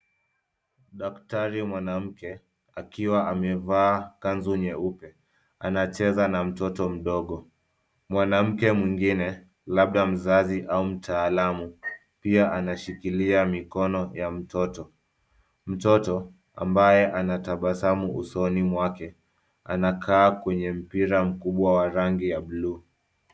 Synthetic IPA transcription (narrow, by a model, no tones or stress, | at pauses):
ɗaktaɾimwanam̩kɛ | akiwaʔamɛvaːkanzuɲɛupɛ | anat͡ʃɛzanam̩tɔtɔm̩ɗɔɠɔ | mwanam̩kɛmwiŋɡinɛ | laɓ̚ɗam̩zaziʔaum̩tʰaːlamu | piaʔanaʃikiliamikɔnɔjam̩tɔtɔ | m̩tɔtɔ | a̰mbajɛʔanataɓasamuusɔnimwakɛ | a̰nakʰaːkwɛɲɛm̩piɾam̩kuɓwawaɾaŋɡijaɓluː